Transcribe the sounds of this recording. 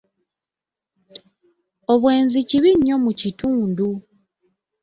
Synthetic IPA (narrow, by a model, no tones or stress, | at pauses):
oβwe̞ːnziciβiɲːo̞mucituːndu